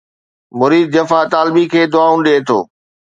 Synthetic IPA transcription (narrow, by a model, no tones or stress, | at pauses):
mʊɾiːd̪̚d͡ʑɐfat̪aːlbikʰeːd̪ʊaːũɗiet̪ʰo̰ː